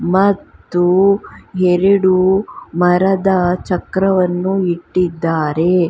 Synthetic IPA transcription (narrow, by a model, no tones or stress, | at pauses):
mɐt̪ːuɦeɾiɽumɐɾɐd̪ɐt͡ʃɐkɾɐʋɐnːuiʈːid̪ːaːɾe̞